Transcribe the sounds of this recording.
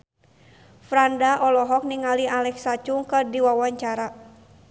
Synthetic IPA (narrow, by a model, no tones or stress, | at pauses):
fɾandaʔɔlɔɦɔk̚niŋaliʔalɛksat͡ʃuŋkərdiwawaɲt͡ʃaɾa